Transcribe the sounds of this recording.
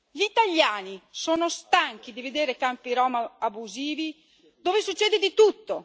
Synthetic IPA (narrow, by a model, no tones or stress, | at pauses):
ʎit̪aʎːaːnisoːnost̪aŋk̟id̪ived̪eːɾekampiɾɔːmaabuziːvi | d̪oːvesut͡ʃːɛːd̪ed̪it̪ut̪ːo